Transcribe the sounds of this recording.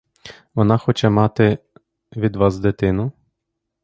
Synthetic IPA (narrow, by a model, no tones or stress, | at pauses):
ʋɔnɑxɔt͡ʃɛmɑt̪ɪ | ʋʲid̪ʋɑsd̪et̪ɪnʊ